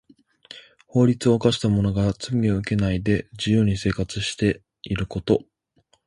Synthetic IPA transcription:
ho̞ːɾʲit͡sɨo̞ːkaɕi̥t̪amo̞no̞ɡat͡sɨmʲioɯ̟ke̞naid̪e̞d͡ʑɨjɯːɲ̟ise̞ːkat͡sɨɕi̥t̪e̞ | iɾɯ̟ko̞t̪o̞

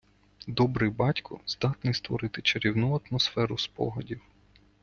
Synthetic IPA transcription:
d̪ɔbɾɪjbɑtʲkʰʊ̰z̥d̪ɑt̪nɪjst̪ʋɔ̰ɾɪt̪ɪt͡ʃeɾʲiwnuɐt̪mɔsfɛɾʊspɔ̰ɦɔdʲiw

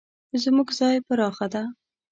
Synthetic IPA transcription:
zmuɡzɑjpaɾɑxad̪a

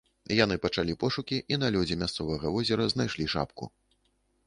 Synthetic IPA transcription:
jan̪ɨpɐt͡ʂalʲipɔʂukʲiʔin̪ɐlʲud͡zʲimʲast̪sɔvɐɣɐvɔzʲɛɾɐznajʂlʲiʂa̰pkṵ

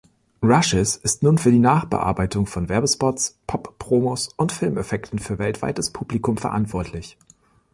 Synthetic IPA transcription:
ʁaʃɪsɪstnuːnfyːɐdiːnaːχb̥ə̰ʔa̰ɐbaɪtʰʊŋfɔnvɛɐbəspɔtspʰɔpːʁ̥oːmosʔʊntfɪlmɛfɛktn̩fyːɐvɛltv̥a̰ɪt̚d̥aspʰuːblikʰʊmfɛɐʔa̰ntv̥ɔɐtʰlɪç

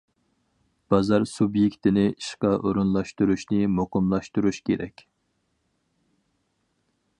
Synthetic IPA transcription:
b̥ɑzɑɾsubjekʲt̪ʰɪnɪiʃqɑʔoɾunlˠɑʃt̪uɾuʃnɨmoqʊmlˠɑʃt̪uɾuʃkʲeɾɛ̰kʲ

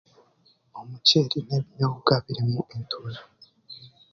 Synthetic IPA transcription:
o̞muceːɾineβinoβuɡaβiɾimuʔentʰula

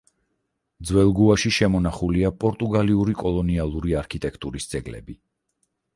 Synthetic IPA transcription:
d̪zwɛlˠɡuaʃiʃɛmɔnaχuliapʼɔɾt̪ʼuɡaliuɾikʼɔlˠɔnialˠuɾiaɾkʰit̪ʼɛkʰt̪ʼuɾisd̪z̥ʼɛɡlɛ̰bi

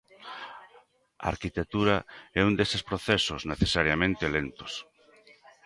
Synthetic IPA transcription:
a̰a̰ɾkit̪ek̚t̪uɾaɛund̪esespɾoθɛsozneθesaɾjamẽnt̪elent̪o̥s

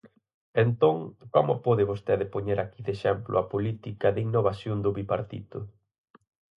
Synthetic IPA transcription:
ent̪oŋkɔmʊpɔðɪβost̪eðɪpoɲeɾʔakiðeʃɛmplʔʊ̰ɐpolit̪ikɐðiŋnːoβasjond̪ʊβipaɾt̪ḭt̪ʊ

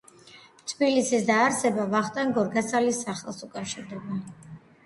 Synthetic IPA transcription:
t̪ʼʰbilisisd̪aːɾsɛbavaχt̪ʼaŋɡɔɾɡasalisːaχɛlˠsukʼafʃiɾd̪ɛba

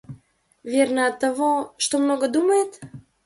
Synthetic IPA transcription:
vʲernəɐt̪ːɐvoʂt̪omnoɡəd̪uməjet̪

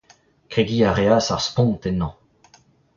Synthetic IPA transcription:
keɡiːaʁeasaʁspɔ̃nt̪enɑ̃

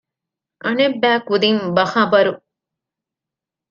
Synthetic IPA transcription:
ʔɐnebːæːkud̪imbɐhaːbɐɾu

